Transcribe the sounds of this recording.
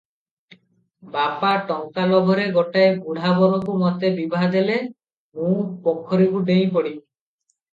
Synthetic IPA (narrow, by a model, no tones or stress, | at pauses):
bapaʈɔŋkalɔɡʱɔɾeɡɔʈajbuɽ̤ʱabɔɾɔkumɔt̪ebibʱaɦd̪ele | mũpɔkʰːɔɾikuɖej̃pɔɽi